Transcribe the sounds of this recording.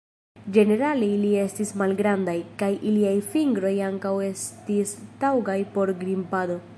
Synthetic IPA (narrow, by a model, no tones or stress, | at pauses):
d͡ʒe̞ne̞ɾalilie̞stismalɡɾandajkajʔiliajfiŋɡɾo̞jaŋkawe̞stistawɡajpo̞ɾɡɾimpado̞